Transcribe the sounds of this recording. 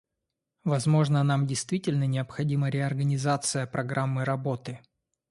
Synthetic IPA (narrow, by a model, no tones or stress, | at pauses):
vɐzmo̞ʐnənamdʲɪjst̪vʲitʲɪlʲnənʲɪɐpxɐdʲiməɾʲɪɐrɡənʲɪzat̪sɨjəpɾɐɡɾamːɨɾɐbo̞t̪ɨ